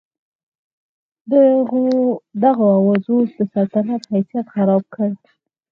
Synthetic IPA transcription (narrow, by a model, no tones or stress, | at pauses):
d̪əɣod̪aɣoawazosd̪əsalt̪anat̪hajsijat̪xaɾɑb̚kʰəɽ